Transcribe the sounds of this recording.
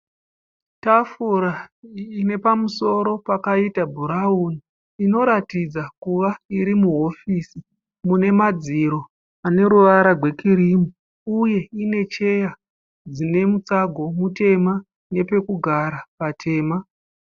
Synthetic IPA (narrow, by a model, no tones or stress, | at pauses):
tafuɾaine̞pamuso̞ɾo̞pakaitabʱuɾauni | ino̞ɾatid͡zakuʋaiɾimuɦo̞fisi | mune̞mad͡ziɾo̞ | ane̞ɾuʋaɾarwe̞kiɾimu | uje̞ine̞t͡ʃe̞ja | d͡zine̞mut͡saɡʱo̞mute̞ma | ne̞pe̞kuɡʱaɾapatʰe̞ːma